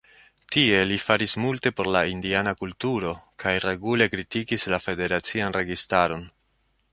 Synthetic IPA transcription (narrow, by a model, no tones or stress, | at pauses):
tie̞lifaɾismulte̞po̞ɾlaindianakultuɾo̞kajɾe̞ɡule̞kɾitikislafe̞de̞ɾat͡sianɾe̞ɡistaɾo̞n